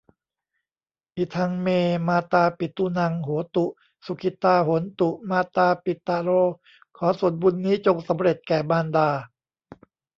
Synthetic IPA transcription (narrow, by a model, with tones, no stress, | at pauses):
ʔi˨˩t̪ʰa˧ŋmeː˧maː˧t̪aː˧pi˨˩t̪ːu˧na˧˩ŋɦuː˩˦t̪u˨˩ʔ | su˨˩kʰi˧˩t̪aː˧ɦo˩˦nt̪u˨˩ʔmaː˧t̪aː˧pi˨˩t̪ːaː˧ɾoː˧ | kʰɔː˩˦su˨˩ənbu˧nːiː˦˥t͡ɕo˧ŋsa˩˦mɾe˨˩t̪̚kɛː˨˩baː˧ndaː˧